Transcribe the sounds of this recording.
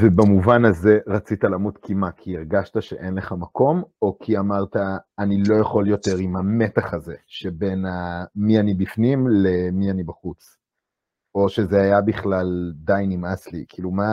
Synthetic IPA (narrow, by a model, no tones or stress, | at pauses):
vebamuvanaze̞ʁat͡sit̪alamutkʰimakʰiːʁɡaʃtaʃe̞ʔe̞nleχamako̞mokʰiamaʁt̪aːnilo̞jaχo̞ljo̞t̪e̞ʁimame̞t̪aχaze̞ʃebe̞namianibifnimlemianibaχut͡s | o̞ʃe̞zeajabiχlald̪ajnimaslikiːluma